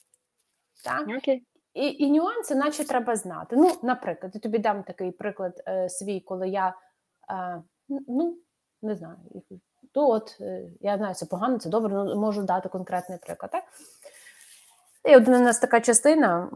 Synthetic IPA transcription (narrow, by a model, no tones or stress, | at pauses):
t̪ɑk | iʔinʲʊɑnsɪnɑt͡ʃɛt̪ɾɛbɐznɑ̰t̪ɪnunɐpɾɪklˠɐd̪jit̪ɔbʲid̪ɑmt̪ɐkɪjpɾɪklˠɐd̪sʋʲijkɔlˠɪja | nu | nɛznɑjʊ̰ḭ | nuɔt̪jaznɑjʊt̪sɛpɔɦɑnɔt̪sɛd̪ɔbɾɛnumɔʒʊd̪ɑt̪ɪkɔnkɾɛt̪nɪjpɾɪ̰klˠɐd̪t̪t̪ɑk | iɔd̪nɐnɑst̪ɐkɑt͡ʃɐst̪ɪnɐ